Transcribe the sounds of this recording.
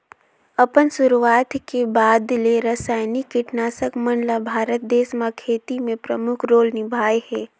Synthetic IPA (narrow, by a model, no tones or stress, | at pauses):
ɐpənsʊɾuwaːt̪kebaːd̪leɾɐsaːɪnikɪʈnaːsəkmənlabʱaːɾət̪̚d̪eːsmakʰeːt̪imẽpɾəmʊkʰɾoːlnɪbʱaːjhɛː